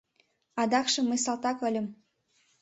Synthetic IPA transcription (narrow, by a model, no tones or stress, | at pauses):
ɑd̪ɑkʃɤ̆məs̬ɑlt̪ɑkə̆lʲə̆m